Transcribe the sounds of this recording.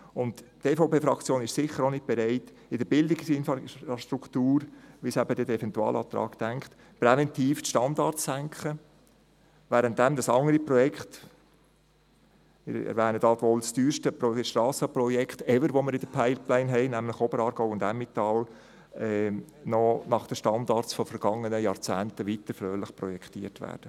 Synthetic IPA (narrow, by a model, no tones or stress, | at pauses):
ʊntteːfoʊpeːfɾɑkt͡sjoːnɪʃsɪχəɾonɪt̚b̥ɛɾɛɪt | ɪd̥əb̥ɪldɪksɪnfɑʃtɾukʰt̪uːɾʋisɛbəd̪ədɛfɛntuɑ̰ːlʔɑ̰ːt̪ɾɑ̰ːktæŋkχt̪ | pɾɛvɛntiːftʃtɑndɑɾtsæŋkχə | væːɾənt̚d̥ɛmd̪ɑsɑŋəɾipɾɔjɛkχt | mɪ̰ɾɛ̰ɾʋæːnəd̪ɑːt̪ʋolst̪yːɾʃtəpɾɔʃtɾɑːsəpɾɔjɛkχt̪ɛvəɾʋoməɾɪd̥əpʰaɪlplɛɪnɦɛɪnæmlɪχobəɾɑːɾɡ̥ɔʊwʊnd̪æmːit̪ɑl | ɛː | nɔnɑχd̥əʃtɑnd̪ɑːɾt͡sfɔfəɾɡ̥ɑŋːənəjɑːɾt͡sæːnt̪əʋit̪əɾfɾøːlɪχpɾɔjɛkχtiːəɾtʋæ̰ːɾd̥ə